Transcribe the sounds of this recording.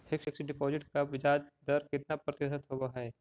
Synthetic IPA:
hɪksɪksɖɪpoːd͡ʒɪʈkaʋɪd͡ʒaːd͡ʒd̪əɾkɪt̪napɾɐt̪ɪsət̪ɦoɡaɦɛː

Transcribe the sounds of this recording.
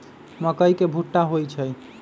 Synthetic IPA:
məkəjkebʱuʈːaɦojt͡ʃʰəj

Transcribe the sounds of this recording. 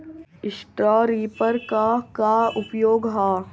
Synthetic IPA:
ɪsʈɾaːɾiːpəɾkakaʊpjoːɡɦaː

